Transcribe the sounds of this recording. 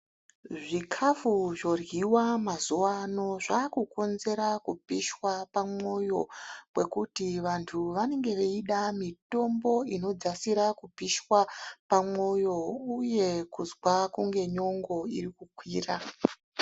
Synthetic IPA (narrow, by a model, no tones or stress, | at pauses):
ʐikʰafuʐo̞rɣiwamazuwano̞ʐakuko̞nze̞ɾakupiʃwapamo̞jo̞̰wwe̞kutiʋantʰuʋane̞ŋɡe̞ʋeiɗamito̞mbo̞ino̞d͡zasiɾakupiʃwapamo̞jo̞uje̞kuzwakuŋɡe̞ɲo̞ŋɡo̞ḭɾikukwiːra